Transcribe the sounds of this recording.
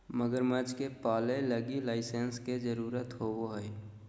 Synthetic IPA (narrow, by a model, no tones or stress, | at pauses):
məɡəɾməd͡ʒkepaːleləɡilaɪsensked͡ʒəɾuːɾət̪ɦowoɦəj